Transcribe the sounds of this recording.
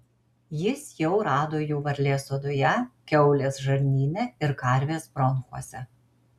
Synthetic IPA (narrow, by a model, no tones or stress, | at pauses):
jɪsjɛʊɾɑːd̪oːjuːʋɐɾʲlʲeːsod̪ʊjɛkʲɛʊlʲeːsʒɐɾʲnʲiːnʲɛɪɾkɐɾʲʋʲeːsbɾɔnˑxuɔsʲɛ